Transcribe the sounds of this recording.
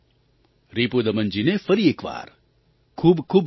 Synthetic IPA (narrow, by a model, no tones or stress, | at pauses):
ɾipud̪əmənd͡ʒinefəɾieːkʋa̰ɾ | kʰuːbkʰuːb